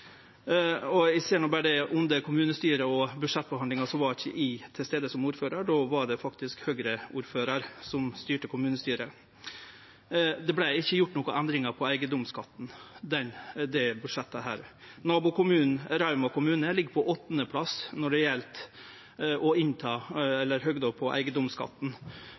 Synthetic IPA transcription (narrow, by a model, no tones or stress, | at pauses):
ɔɪseːɳɔbæɖɛʊnd̪əkʰʊmʉːnəst̪yːɾəɔbʉd̪ʂɛt̪̚ːbəhɑnd̪ɪŋɑʂɔʋɑɾɪçːə̰ʔɪt̪ʰɪlst̪eːd̪əsɔmuːɾføːɾɑɖɔʋɑɖɛfɑkt̪ɪskhøːɡɾəʔuːɾføːɾɑɾsɔmst̪yːʈəkʰʊmʉːnəst̪yːɾə | d̪ɛblæɪɪçːəjʊʈːnɔːkʊʔænd̪ɾɪŋɑpʰɔæɪɡəd̪ʊmskɑt̪ːnd̪ɛnd̪ɛbʉd̪ʂɛt̪ːəɦæːɾnɑːbʊkʊmʉːnn̩ɾɑʉmɑkʊmʉːnəlɪɡːpʰɔʔɔt̪ːnəpʰlɑsnɔɖɛjɛlt̪ | ʔɔɪnt̪ʰɑːɛlːəɾɦøːɡd̪ɔlpʰɔʔæ̰ɪɡəd̪ʊmskʰɑ̰t̪n̩